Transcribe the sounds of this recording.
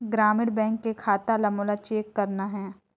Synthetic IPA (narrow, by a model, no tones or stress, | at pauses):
ɡɾaːmɪɽbɛ̃ːŋkːekʰaːt̪alɐmoːlat͡ʃeːkːɐɾnaɦɛː